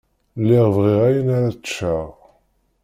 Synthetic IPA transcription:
lːɪʁvʁiʁæjənaɾat͡sʃaʁ

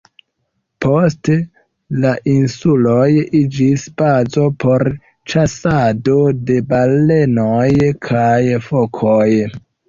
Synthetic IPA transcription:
po̞ste | laʔinsulojid͡ʒisbazo̞po̞ɾ | t͡ʃasado̞de̞bale̞nojkʰajfokʰoj

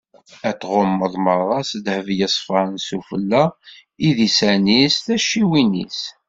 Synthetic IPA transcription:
æt̪ːʁomːəðˤməɾˤɑsd̪həvjəsˤfɑɾnsufəlːæ | iðisænisθæʃiwinḭs

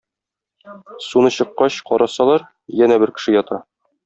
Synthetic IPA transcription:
sunɤɕɤ̆qːɑɕqɒɾɑsɑlˠɑɾ | jænæbɘɾkɘ̥̆ʃɘjɒt̪ɑ

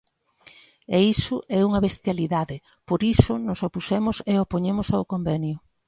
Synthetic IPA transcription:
eisʊʔɛuŋɐβest̪jaliðaðɪ | poɾisʊnʊsopusɛmʊseopoɲemʊsawkombɛnjʊ

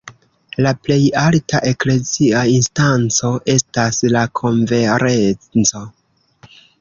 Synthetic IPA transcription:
laple̞jaltaʔe̞kle̞ziainstant͡so̞ʔe̞staslakʰo̞ɱve̞ɾe̞t͡so̞

